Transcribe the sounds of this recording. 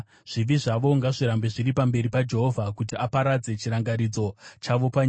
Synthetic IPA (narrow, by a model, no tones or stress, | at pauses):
ʐ̥iʋiʐaʋo̞ŋɡaʐiɾambeʐiripambe̞ɾipad͡ʒe̞ɦovʱakut̬iʔapaɾad͡ze̞t͡ʃiɾaŋɡaɾid͡zo̞t͡ʃaʋo̞paɲ